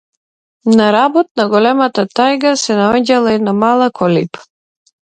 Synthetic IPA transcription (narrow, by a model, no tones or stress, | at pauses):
naɾabɔt̪̚naɡɔlɛmat̪at̪ajɡasɛnaɔɟalˠainamalˠakʰɔlip